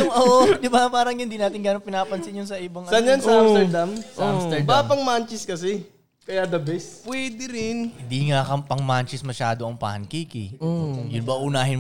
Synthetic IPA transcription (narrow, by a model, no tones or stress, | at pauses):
ʔoːʔod̪ɪbapaːɾɐŋjɪnd̪inaːt̪ɪnŋɡaːnoŋpɪnaːpɐnsɪnjʊnsɐʔɪbɐŋʔɐsanjansɐasɛd̪amsɐst̪ɛbapɐŋmant͡ʃɛskɐsɛ | kɐjad̪ɐbɛspwɛːd̪ɪɾɪnhɪnd̪iŋakɐŋpɐŋmant͡ʃɪsmɐʃaːd̪oʔɐŋpa̰ːhɐnkiːkɪ̰ojʊnbɐʔʊnaːɦɪn